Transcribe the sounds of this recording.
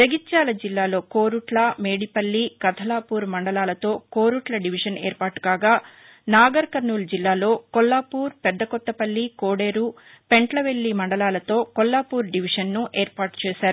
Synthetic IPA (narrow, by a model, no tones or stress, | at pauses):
t̪eɡitːaːlɐd͡ʒilːaːlo̞ːko̞ːɾuʈlɐmeːɽipɐlːikɐt̪ʰɐlaːpuːɾmɐɳɖɐlaːlɐt̪o̞ːkoːɾuʈlɐɖiʋiʂɐnḛːɾpaːʈu̥kaːɡaː | naːɡɐɾkɐɾnuːld͡ʒilːaːlo̞ːkɔlːaːpuːɾpɛd̪ːɐkɔt̪ːɐpɐlːikoːɽeːɾu | peɳʈlɐʋelːimɐɳɖɐlaːlɐt̪o̞ːkɔlːaːpuːɾɖiʋiʂɐnːuʔeːɾpaːɾʈt͡ʃɛːsaːɾu